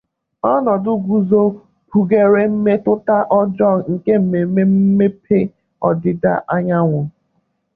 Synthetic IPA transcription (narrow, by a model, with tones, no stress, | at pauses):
ɔ˦nɔ˨dʊ˦ɡʷu˨zo˦ | pu˨ɡe˨ɾe˦m̩˦me˦tʊ˦ta˦ʔɔ˦d͡ʒɔ˦˨ŋ̩˨ke˦m̩˨me˨me˦m̩˦me˦pʰe˦ | ɔ̰˨dɪ˨da̰˦ʔa˦ɲa˦ŋʷʊ˨